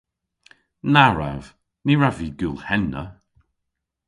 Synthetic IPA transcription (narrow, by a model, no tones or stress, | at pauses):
naɹa̰v̥ | niɹaviɡulˠhɛnːə̰